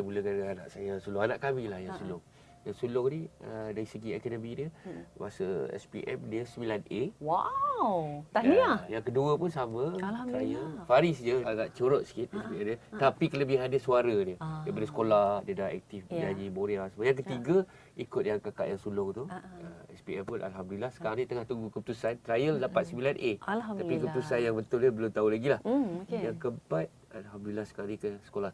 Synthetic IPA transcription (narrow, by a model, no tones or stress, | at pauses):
əmuləkanana̰ʔsajasulʊŋanaʔkamilahjaŋsulʊŋ | jaŋsulʊŋniədaɾisəɡiɛkɛdəminimasəɛ̰spḭʔɛ̰mdiəsəmilanʔewawt̪aajaŋkəduəpʊnsamə̃ɾaɲafaɾisɲəɡaʔt͡ʃəɾɔʔ̪̚sə̥kit̪̚askiadət̪apikələbiɦandəsuaɾədiədabadəsə̥kolahdədaɦɛ̰k̚t̪ɪfbd͡ʒaɲiboɾiasumajaŋk̬ət̪iɡa | ikʊt̪̚jaŋkaka̰ʔjaŋsulʊŋt̪uəɛ̰spiɛpʊnʔa̰lɦamdulilahsə̥kanit̪əŋaht̪uŋɡukəpət̪usant̪ɾajəldapat̪səbilanʔet̪apikəpət̪usanjaŋbənt̪ʊldəbəlʊmt̪aulaɡilahjaŋkəmpat̪̚ | alɦamdulilahsə̥kaɾikəsə̥kolah